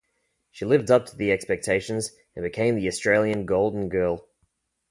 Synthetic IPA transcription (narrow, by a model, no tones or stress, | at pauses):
ʃilɪvdʌp̚tʰəðiɛkspɛk̚tʰeɪʃɨ̃nz | ə̃nbɨkʰẽɪ̃mðiɨstɹ̥eɪlˠjɨ̃nɡoʊlˠdⁿn̩ɡɜːlˠ